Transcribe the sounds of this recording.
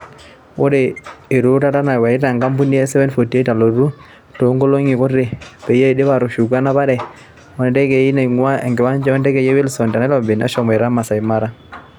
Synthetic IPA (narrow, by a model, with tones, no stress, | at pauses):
o˦de˨e˨ɾu˦ta˦ta˦na˨wa˨ɪ˦ta˨ŋɡa˦mbu˦ni˦ɛ˦sɛ˦wɛ˦nfo˨tje˦ta˨lo˨ɾu˦ | to˨˦ŋɡo˦lo˦ŋi˨kɔ˦e˨pe˨je˦˨de˦βa˨ɾʊ˨ʃu˨ɡa˦na˦ba˦ɾɛ˨ | wɔ˨ndɛ˦ke˨i˦na˨ŋwa˦ɛ˨ŋɡɪ˨wa˦ɲd͡ʒɛ˦ɔ˦ndɛ˦kɛ˨je˦we˦lsɔ˨nda˨nɛ˦lɔ˨bɪ˨na̰˦ʃɔ˨mɛ˨ɾa˦ma˨sa˨ɪ˨ma˦ɾa˦